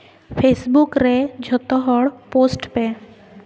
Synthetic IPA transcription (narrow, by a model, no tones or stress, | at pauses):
pʰesbukɾed͡ʒʱɔt̪ɔɦɔɽposʈpɛ